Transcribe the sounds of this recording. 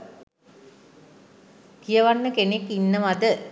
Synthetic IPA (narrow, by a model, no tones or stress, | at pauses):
kijəʋanːəkenekːinːəʋad̪ə